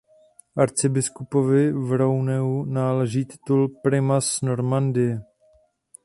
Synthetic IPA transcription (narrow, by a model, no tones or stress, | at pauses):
ʔaɾt͡sɪbɪskupovɪvɾownɛunaːlɛʒiːt̪ɪ̥t̪ulpɾɪmasno̞ɾmandɪɛ